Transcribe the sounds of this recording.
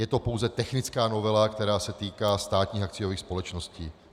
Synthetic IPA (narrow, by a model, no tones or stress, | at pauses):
jɛt̪o̞po̞wzɛt̪ɛxnɪt͡skaːno̞vɛlakt̪ɛɾaːsɛt̪iːkaːst̪aːt̪ɲiːxak̚t͡sɪjo̞viːxspo̞lɛt͡ʃno̞scḭː